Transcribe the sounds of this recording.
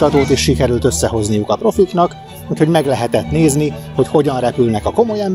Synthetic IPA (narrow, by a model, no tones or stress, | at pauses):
t̪ɒt̪oːt̪eːʃʃikɛɾylt̪ø̞sːɛɦo̞znijukɒpro̞fiknɒk | ut̪ho̞ɟmɛɡlɛɦɛt̪ɛt̪neːzniho̞cho̞ɟɒnrɛpylnɛkɒko̞mo̞jɛm